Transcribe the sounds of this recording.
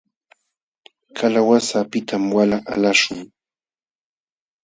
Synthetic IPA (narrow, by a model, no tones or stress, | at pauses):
kʰalawasapɪt̪ʰamwalaʔa̰laʃʊŋ